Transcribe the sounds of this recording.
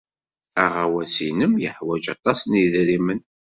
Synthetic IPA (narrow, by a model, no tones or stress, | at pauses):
æʁawæsinəmjəħwæd͡ʒɑt̪ˤɑsniðɾimən